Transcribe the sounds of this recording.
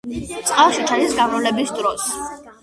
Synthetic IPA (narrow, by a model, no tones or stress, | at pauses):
t̪sʼqʼalˠʃit͡ʃʰanisɡavɾɔlɛbisd̪ɾɔs